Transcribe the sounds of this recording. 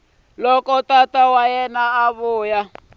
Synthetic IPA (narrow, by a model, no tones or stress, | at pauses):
lɔkɔtatawajɛnaːβʊːja